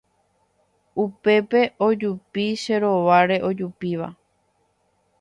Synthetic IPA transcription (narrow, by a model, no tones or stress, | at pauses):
upe̞pe̞ʔo̞d͡ʒupiʃe̞ɾo̞ʋaɾe̞ʔo̞d͡ʒupiʋa̰